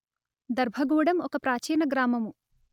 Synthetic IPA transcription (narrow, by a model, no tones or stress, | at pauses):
d̪ɐɾbʱɐɡuːɽɐmɔkɐpɾaːt͡ʃiːnɐɡɾaːmɐmu